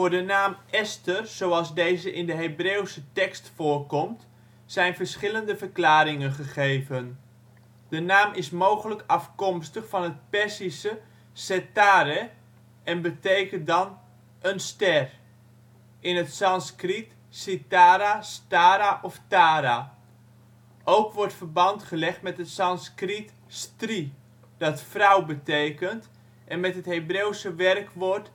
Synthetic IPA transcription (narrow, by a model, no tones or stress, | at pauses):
fʊːrdənaːmɛstərz̥owɑlˠzdejzəʔɪndəɦebreːwsətɛkstfʊːrkɔmt | sɛjnvərsχɪləndəvərklaːɾɪŋənχəχeːvən | d̥ənaːmɪsmoːχələkɑfkɔmstəχfɑnət̚pɛsisə | sɛtaːɾə | ɛnbətejkəndɑn | ənstɛr | ɪnətsɑnskrit | sitaːɾastaːɾaʔɔftaːɾa | ʔowkʋɔrtfərbɑntχəlɛχtmɛtɦətsɑnskrit | stri | d̥ɑtfrawbətejkənt | ʔɛnmɛtɦətɦejbrewsəʋɛrkʋɔrt